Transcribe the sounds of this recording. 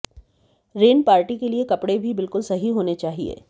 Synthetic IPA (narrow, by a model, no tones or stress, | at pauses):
ɾeːnpaːɾʈikeliekɐpɽebʱibɪlkʊlsɐɦiɦoːnet͡ʃaːɦiḛː